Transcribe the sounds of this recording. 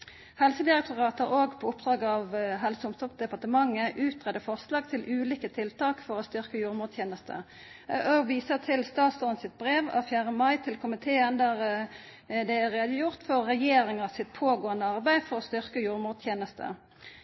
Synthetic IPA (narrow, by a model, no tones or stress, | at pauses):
hɛlsəd̪ɪʁɛk̚t̪ʊʁɑːt̪əʁoːɡpʰɔʊpd̪ʁɑːɡəɑʋɦɛlsəʊmst̪ɔpd̪ɛpɑʁt̪əmɑŋːəʔʉːt̪̚ʁɛd̪əfɔʁslɑːɡ̚t̪ʰɪlʔʉːliːkət̪ʰɪlt̪ʰɑːkfɔʁost̪ʏʁkəjuːʁmuːjeːnəst̪ʰə̰ | oːɡʋiːsət̪ʰɪlst̪ɑːt̪sd̪ɔʁnsɪt̪̚bʁeːʋɑ̰ʋfjæːʁəmɑɪt̪ʰɪlkʰʊmɪt̪ʰeːənd̪æʁ | d̪ɛæʁeːd̪əjʊʁt̪fɔʁːɛjeːʁɪŋɑsɪt̪̚pʰoːɡoːənəɑʁbæɪfɔʁost̪ʏʁkəjuːʁmuːt̪ʰjeːnəst̪ʰə̰